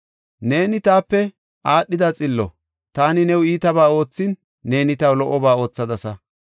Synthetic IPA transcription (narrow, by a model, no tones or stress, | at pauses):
ne̞ːnɪt̪aːpːɛ | ʔaːɗːɪd̪ɐt͡sʼɪlːɔ | t̪aːnɪnɛwiːt̪ɐbaːo̞ːt͡sːɪnː | e̞ːnɪt̪ɐwlɔʔːɔbaːo̞ːt͡sːɐd̪ɐsɐ